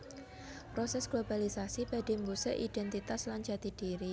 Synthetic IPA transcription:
pɾosɛsɡ̥lob̥alisasib̥a̤d̥e̤mbusɛ̰ʔid̥ɛnt̪it̪asland͡ʒa̤d̪̥id̥iɾi

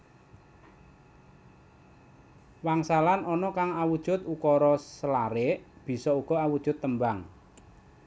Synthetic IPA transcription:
waŋsalanɔnɔkaŋawud̥ʒ̥ʊ̤t̪ukɔɾɔsəlaɾɪʔb̥i̤sɔuɡ̥ɔ̤awud̥ʒ̥ʊ̤t̪ːəmbaŋ

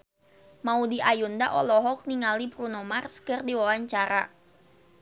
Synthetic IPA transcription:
maudiʔajundaʔɔlɔɦɔk̚niŋalipɾunɔmarskərdiwawaɲt͡ʃaɾa

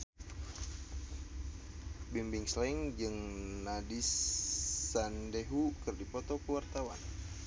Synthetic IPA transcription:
bimbiŋslɛŋd͡ʒɨŋnadisː | andeɦukɨrdipɔt̪ɔkəwart̪awan

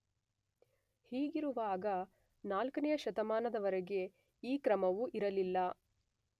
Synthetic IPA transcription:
hiːɡiɾuʋaːɡɐ | naːlkɐnɛjɐʃɐt̪ɐmaːnɐd̪ɐʋɐɾɛɡe̞ | iːkɾɐmɐʋuʔiɾɐlilːɐ

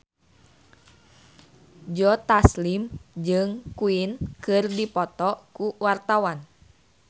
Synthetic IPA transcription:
d͡ʒɔt̪aslimd͡ʒɨŋkuinkɨrdipɔt̪ɔkuwart̪awan

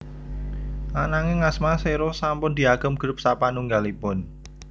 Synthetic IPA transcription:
lanaŋeŋasmaseɾosampʊnd̪̥i̤aɡ̥ə̤mɡ̥ɾʊp̚sapanuŋɡalipʊn

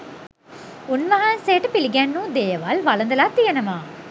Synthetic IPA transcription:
unʋɐɦɐnseːʈpiliɡɛnːũːd̪eːjɐʋɐlʋɐlɐnd̪ɐlaːt̪ːijɐnɐmaː

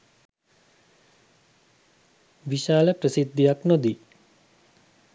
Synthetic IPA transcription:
ʋiʃaːləpɾəsid̪ʱːijaknod̪i

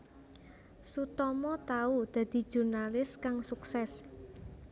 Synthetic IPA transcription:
sut̪ɔmɔt̪aud̪̥ä̤d̪̥i̤̥ʒ̥ṳrnalɪskaŋsuksɛs

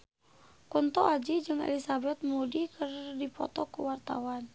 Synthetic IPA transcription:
kunt̪ɔad͡ʒid͡ʒɨŋɛ̰lisabɛt̪̚mudikərdipɔ̰t̪ɔkuwart̪a̰wan

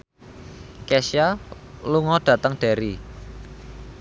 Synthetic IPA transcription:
kɛsjaluŋɔɖ̥ä̤t̪əŋɖ̥e̤ɾi

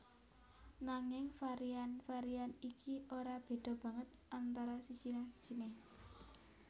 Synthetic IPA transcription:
naŋɪŋfaɾianfaɾianikʰioɾab̥e̤d̪̥ɔ̤b̥ä̤ŋət̪̚ʔant̪aɾasi̥t͡ʃinansi̥t͡ʃineh

